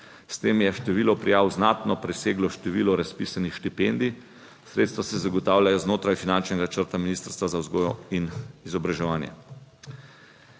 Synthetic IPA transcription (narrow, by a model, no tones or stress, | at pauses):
st̪eːmjɛʃt̪ɛʋiːlɔpɾijaːwznaːt̪nɔpɾɛseːɡlɔʃt̪ɛʋiːlɔɾaspisanixʃt̪ipend̪i | sɾeːt̪st̪ʋasɛzaɡɔt̪aːwlʲjajɔznoːt̪ɾajfinant͡ʃnɛɡat͡ʃəɾt̪aminiːst̪əɾst̪ʋazawzɡoːjɔinizɔbɾaʒɛʋaːnjɛ̰